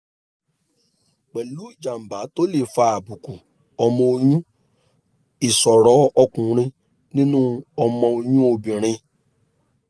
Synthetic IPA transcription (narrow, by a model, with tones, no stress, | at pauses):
k͡pɛ˨lu˨˦˨d͡ʒa˨m̩˨ba˨˦to˦le˦˨fa˧˨a˨bu˨ku˨ | ɔ˧mɔ̃˧o˧j̃ũ˦ | i˨sɔ˨ɾɔ˨˦ɔ˧kũ˨ɾ̃ĩ˧ | nĩ˦nũ˦ɔ˧mɔ̃˧o˧j̃ũ˦o˧bĩ˨ɾ̃ĩ˧